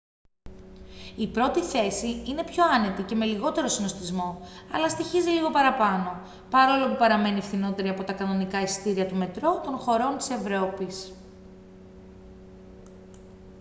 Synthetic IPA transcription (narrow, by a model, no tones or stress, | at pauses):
ipɾo̞t̪iθe̞siine̞pço̞ɐne̞t̪ice̞me̞liɣo̞t̪e̞ɾo̞sino̞st̪izmo̞ | ɐ̰lɐst̪içiziliɣo̞pɐɾɐpɐno̞ | pɐɾo̞lopupɐɾɐme̞niefθino̞t̪e̞ɾiɐpo̞t̪ɐkɐno̞nikɐist̪iɾiɐt̪ume̞t̪ɾo̞t̪o̞nxo̞ɾo̞nt̪i̥se̞vɾo̞pis